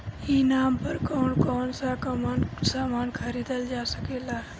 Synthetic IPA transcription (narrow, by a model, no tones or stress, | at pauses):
iːnaːmpəɾkɔːnkɔːnsakəmaːnsaːmaːnkʰəɾiːd̪əld͡ʒaːsəkeːlaːɦ